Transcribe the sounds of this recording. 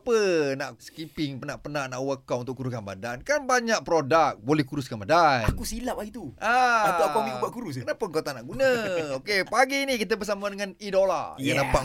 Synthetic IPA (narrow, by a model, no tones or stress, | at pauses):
apənaʔsə̥kipɪŋpənaʔpənaʔnaʔwəkːaʔunt̪ʊʔkːuɾukanba̰dankanbaɲak̚pɾodak̚bolɛhkuɾuskanbadanakusilap̚lahit̪uaaəaaiaʔkuɾus̬kənapəŋkot̪aʔnaʔɡunəokepaɡiːnikit̪̬əbərsamadəŋanidola̰janapaʔ